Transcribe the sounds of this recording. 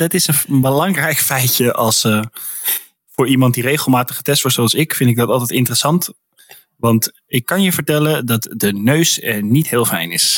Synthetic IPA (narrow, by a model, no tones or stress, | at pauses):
dɑtɪsənbəlɑŋrɛjkfɛjtəʔɑlˠsə | fʊːɹimɑnt̚direjχəlˠmaːtəχə̥tɛstʋɔɹtsoɑlˠsɪkfɪntɪɡ̚dɑtɑlˠtɛjtɪntərəsɑnt | ʋɑnt | ɪkːɑnjəvəɹtɛlədɑtdənøɥsnitɦɪːlˠfɛ̰jnɪs